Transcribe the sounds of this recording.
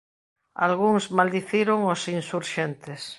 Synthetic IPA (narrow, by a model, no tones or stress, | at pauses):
a̰lɣ̞uŋzmald̪iθjeɾoŋosinsuɾʃent̪es